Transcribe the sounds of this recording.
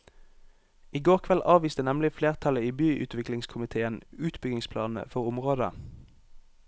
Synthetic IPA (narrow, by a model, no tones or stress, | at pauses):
iːɡoːʁkʰʋɛlʔɑːʋiːst̪ənɛmlɪfleːʁt̪ʰɑləiːbyːʔʉ̰t̪ʰʋɪklɪŋskʰʊmɪt̪ʰeːənʉːt̪bʏɡɪŋspʰlɑːnn̩ə̰fɔʁʊmʁoːd̪ə̰